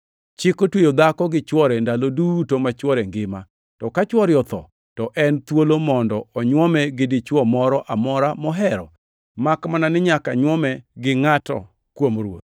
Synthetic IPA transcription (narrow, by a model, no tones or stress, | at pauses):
t͡ʃɪkotwejod̪akɔɡɪt͡ʃwɔɾɛndalodutomat͡ʃwɔɾɛŋɡɪma | tɔkat͡ʃwɔɾjɔt̪ɔ̰ | tɔʔɛnt̪wolomɔndɔɔɲwɔmɛɡɪdɪt͡ʃwɔmɔɾɔʔamɔɾamɔɦɛɾɔ̰ | makmananɪɲakaɲwɔmɛɡɪŋatɔ̰ | kwomɾwo̰t̪̚